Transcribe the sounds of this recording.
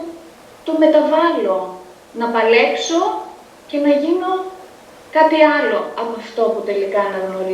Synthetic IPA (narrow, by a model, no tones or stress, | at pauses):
t̪o̞me̞t̪ɐvɐlo̞ | nɐpɐle̞kso̞ | ce̞nɐʝino̞ | kɐt̪iɐlo̞ɐpoɐft̪o̞put̪e̞likɐnɐɣno̞ɾi